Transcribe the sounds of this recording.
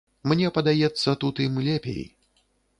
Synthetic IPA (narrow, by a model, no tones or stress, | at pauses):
mnʲɛpɐd̪ajɛt̪sːɐt̪ut̪imlʲepʲḛj